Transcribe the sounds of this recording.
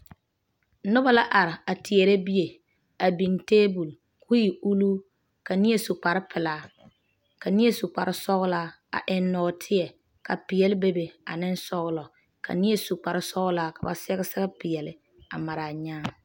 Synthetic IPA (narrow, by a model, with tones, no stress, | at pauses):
nʊ˦ba˨la˦ʔa˨ɾɪ˨a˨tɪ˨e˨ɾe˦bi˦je˨ | a˨bi˨nteː˦bu˨l | kʰu˦ji˨u˦luː˦ | ka˨nɪ˦je˦sʊ˨k͡pa˨ɾɪ˦pɪ˨laː˦ | ka˨nɪ˦je˦su˨k͡pa˨ɾɪ˦sɔ˦ɣʊ˦laː˦ | a̰˨ʔɪ˨nːɔː˨tʰɪ˦ɛ˨ | ka˨pɪ˨jɛ˨lɪ˦be˦be˨a̰˨nɪ˦n˦sɔ˦ɣʊ˦lɔ˨ | kʰa̰˨nɪ˦e˦su˨k͡pa˨ɾɪ˦sɔ˦ɣʊ˦laː˦ka˨ba̰˨sɛ˦ɣɪ˦sɛ˦ɣɛ˦pɪ˨jɛ˨lɪ˨ | a˨ma˨ɾaː˨ɲaː˦